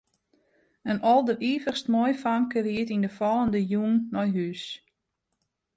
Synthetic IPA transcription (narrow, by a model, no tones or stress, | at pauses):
ənɔlˠdəʔiːvəχstmɔjfaŋkəriətindəfɔlˠəndəjuŋnɔjɦys